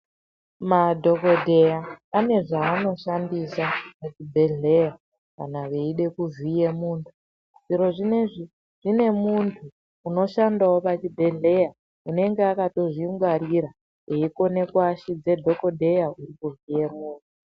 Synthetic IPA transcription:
madʱo̞ko̞dʱejaane̞ʐaːno̞ʃandisapat͡ʃibʱe̞ɮe̞ja | ka̰naʋeiɗe̞kuvije̞muːntʰu | ʐiɾo̞ʐine̞ʐi | ʐ̥ine̞muntʰuː | no̞ʃandawo̞pat͡ʃibʱe̞ɮe̞ja | une̞ŋɡe̞akato̞ʐiŋɡwaɾiɾa | eiko̞ne̞kwaʃid͡ze̞dʱo̞ko̞dʱe̞jaurikuvijemuːntʰu

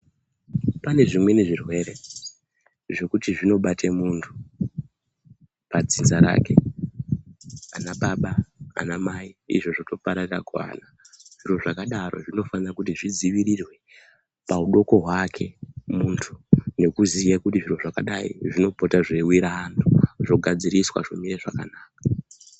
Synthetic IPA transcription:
pane̞ʐimwe̞ne̞ʐirwe̞ɾe̞ | ʐe̞kutiʐino̞ɓatʰemuntʰu̥ | pad͡zinzaɾa̰ːke̞̰ | a̰naɓaɓaa̰namaiḭʐo̞ʐoto̞paɾaraɡwa̰na | ʐ̥iro̞ʐakaɗaro̞̰ʐino̞fanirakutiʐid͡ziʋirirwe̞ | pauɗo̞ko̞ɦwakʰe̞muntʰune̞kuzijakutiʐiro̞ʐakaɗaḭʐino̞po̞taʐewiɾaːntʰuʐo̞ɡʱad͡ziɾiswa̰ʐomiɾeʐakanaːkḁ

